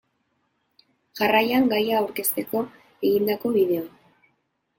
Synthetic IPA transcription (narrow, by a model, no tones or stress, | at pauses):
ʝarajaŋɡajaːwɾke̞st̪e̞ko̞ | e̞ɣind̪ako̞βiðe̞o